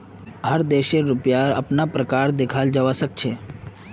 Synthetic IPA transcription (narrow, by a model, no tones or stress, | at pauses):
ɦəɾd̪eːʃeɾʊpjaɾə̰pnapɾəkaːɾd̪ekʰaːld͡ʒəʋasək̚t͡ʃʰeː